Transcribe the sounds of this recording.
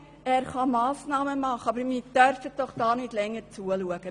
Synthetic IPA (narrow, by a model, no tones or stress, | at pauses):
ɛːrχɑmɑːsnɑːməmɑχəɑbəɾmiːd̥œrfət̚d̥ɔχd̥ɑːnɪtlɛŋːəɾt͡suəluəɡ̥ə